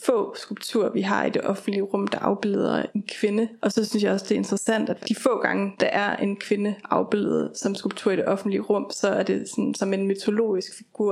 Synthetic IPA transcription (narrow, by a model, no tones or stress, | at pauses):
fɔ̰̽ːsɡ̥ulb̥̚t͡sʰuɐ̰ʋiɦɑ̈ḭd̥e̝ʔɒ̽fn̩d̥liəʁɔ̽m̰d̥ɑ̈ʔɑ̈ʊb̥eleð̞ˠɐ̰e̝nkʰʋe̝nəʔɒ̽sɒ̽synsjɑ̈ɪɒ̽sd̥e̝æɐe̝nd̥ʁɐsæn̰d̥æ̥d̥ifɔ̰̽ːɡ̥ɑ̈ŋəd̥ɑ̈ʔæɐe̝nkʰʋe̝nəʔɑ̈ʊb̥e̝lð̩ˠsɒ̽msɡ̥ulb̥̚t͡sʰṵɐ̰id̥e̝ʔɒ̽fn̩d̥liəʁɔ̽m̰sɒ̽æɐd̥e̝sɒ̽nsɒ̽me̝nmyt͡sʰo̝lo̝̰ːisɡ̥fiɡ̥uɐ̰